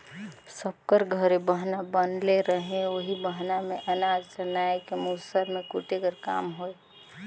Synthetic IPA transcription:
səb̚kəɾɡʱəɾebəɦnabənleɾəɦẽoɦibəɦnamẽʔənad͡ʒt͡ʃənaekemusəɾmẽkuʈekəɾka̰ːmɦoe

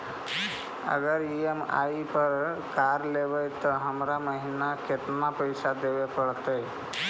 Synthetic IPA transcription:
ə̰ɡəɾiema̰ipəɾkaɾlebəjt̪ɔɦəmɾaməɦinaket̪napəjsad̪eʋepəɽt̪əj

